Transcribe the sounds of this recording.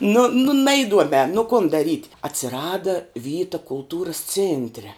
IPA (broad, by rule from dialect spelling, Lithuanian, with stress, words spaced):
nʊ nʊ ˈnɐɪduɔmʲɛː nʊ kʊn dɐˈrʲiːtʲ ɐtʲsʲɪˈrɑːdɐ ˈʋʲiːtɐ kʊlˠˈtuːrɐs ˈt͡sʲeːnʲtʲrʲɛ